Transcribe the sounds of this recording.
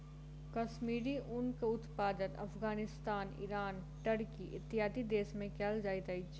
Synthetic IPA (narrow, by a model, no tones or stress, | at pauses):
kɐʃmiːɾiʔʊnkeʊt̪paːd̪ənɐ̰fɡaːnɪst̪aːnḭɾaːn | ʈəɽkiʔɪt̪ːɪjaːd̪id̪eːsmẽkɛːld͡ʒaːɪt̪aɪt͡ʃ